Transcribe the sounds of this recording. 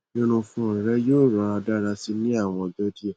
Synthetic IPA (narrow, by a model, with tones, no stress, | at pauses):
nĩ˦ɾ̃ũ˧fũ˧˦ɾĩ˨ɾɛ˦joː˦˨ɾã˧a˧da˦ɾa˧si˧nĩ˦a˦˨w̃ɔ̃˧dɔ˦di˦ɛ˦˨